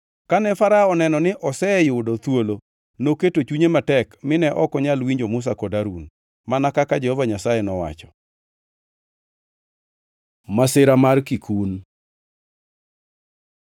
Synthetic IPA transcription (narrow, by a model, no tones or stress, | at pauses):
kanɛfaɾaɔnɛnɔnɪʔɔsɛjʊdɔt̪wolo | noketot͡ʃuɲematɛkmɪnɛʔɔkɔɲalwiɲd͡ʒomʊs̬akɔdaɾun | manakakad͡ʒehɔvaɲasajɛnɔwa̰t͡ʃɔ̥ | masɪɾamarkikun